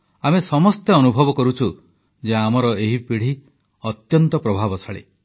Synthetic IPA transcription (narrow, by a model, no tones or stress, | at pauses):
amesɔmɔst̪eɔnubʱɔbɔkɔɾut͡ʃʰu | d͡ʒeamɔɾɔeɦipiɽ̤i | ɔt̪jɔnt̪ɔpɾɔbʱabɔsʰaɭḛ